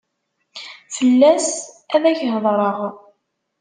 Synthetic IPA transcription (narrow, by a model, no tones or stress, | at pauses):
fəlːæs | æðæçɦðˤɾˤəʁ